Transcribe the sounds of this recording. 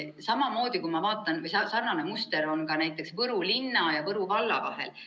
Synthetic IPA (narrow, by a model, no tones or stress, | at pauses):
sɑmɑmo̞ːd̪̥ʲikujmɑvɑːt̪ːˑɑnvɤjsɑsɑrnɑnemust̪e̞ɾo̞nkɑnæjt̪ːˑe̞ksvɤɾulinːɑjɑvɤɾuvɑlːɑ̰vɑ̰he̞̰l